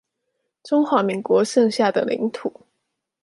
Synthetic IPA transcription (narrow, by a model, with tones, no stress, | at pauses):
ʈ͡ʂʊ˥ŋxwa˧˥mi˧˥ŋkwɔ˧˥ʂɤ˥˧ŋɕja˥˩d̪ə̰˩lḭ˧˥ŋt̪ʰu˨˩˦